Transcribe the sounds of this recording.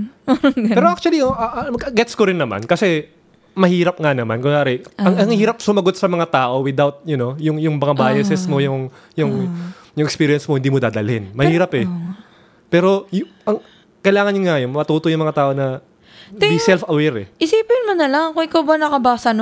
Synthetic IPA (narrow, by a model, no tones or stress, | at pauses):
pɛɾoak̚t͡ʃuwɐlioʔɐʔɡɛt̪skoɾɪnːɐma̰nkɐsɛ | mɐhiːɾɐp̚ŋanɐmankʊŋaːɾɛɐŋɐŋhiːɾɐp̚sʊmɐɡot̪̚sɐmɐŋat̪aːʔo̞wɪd̪awt̪̚jʊno̞jʊŋjʊŋmɐŋabaːjɐsɛsmo̞jʊŋ | jʊŋ | jʊŋʔɛkspiːɾɪjɐnsmohɪnd̪iːmod̪aːd̪ɐlɪnmɐhiːɾɐpɛ | pɛːɾo̞j | ɐŋ | kɐjlaːŋɐnɲoŋajonmɐt̪uːt̪ojʊŋmɐŋat̪aːʔo̞nɐ | bisɛlfɐwɛɾɛ̰ʔɪsiːpɪnmʊnɐlaŋkoʔɪkawbɐnɐkɐbasɐn